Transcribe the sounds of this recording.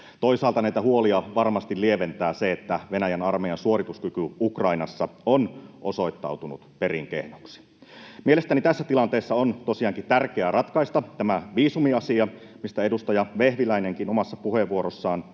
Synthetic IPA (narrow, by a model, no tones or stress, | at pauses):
t̪o̞isɑːlt̪ɑnæit̪æhuoliɑʋɑrmɑst̪ilieʋent̪æːseet̪ːæʋenæjænɑrmejɑnsuorit̪uskykyukrɑinɑsːɑonʔoso̞it̪ːɑ̰ut̪unṵt̪pe̞ɾiŋkḛhnoksi̥ | miele̞st̪ænit̪æsːæt̪ilɑnt̪eːsːɑont̪osiɑːŋkit̪ærkeærɑt̪kɑist̪ɑt̪æmæʋiːsumiɑsiɑ | mist̪æedust̪ɑjɑʋehʋilæineŋkinomɑsːɑpuheʋuoɾosːɑːn